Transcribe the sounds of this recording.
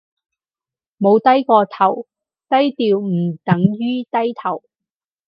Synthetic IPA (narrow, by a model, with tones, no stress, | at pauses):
mo˨˧wt̪ɐ˥jkɔː˧t̪ʰɐ˨˩w | t̪ɐ˥jt̪iː˧wm̩˨˩t̪ɐ˨˥ŋjyː˥t̪ɐ˥jt̪ʰɐ˨˩w